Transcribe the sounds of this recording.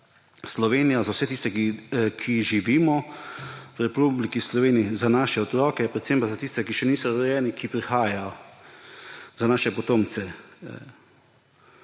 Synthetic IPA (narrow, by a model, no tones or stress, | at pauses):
slɔʋeːnijazawsɛt̪ist̪ɛkikʰiʒiʋiːmɔ | wɾɛpublikislɔʋeːniizanaːʃɛɔt̪ɾɔːkɛpɾɛt̪sempazat̪ist̪ɛkiʃɛniːsɔɾɔjɛːnikipɾixaːjajɔ | zanaːʃɛpɔt̪oːmt̪sɛ